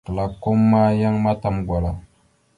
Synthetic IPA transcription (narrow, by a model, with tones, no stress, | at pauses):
kla˨ko˦mːa˦ja˦ŋma˦ta˨mɡʷa˨la˨